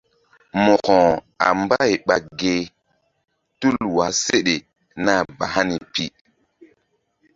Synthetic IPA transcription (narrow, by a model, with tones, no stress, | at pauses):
mɔ˨kɔ̃˨ | a̰˨mba˦jɓa˨ɡe˦˨ | tu˦lwa˨se˦ɗe˨ | na˦˨ba˨ha˦ni˨pi˦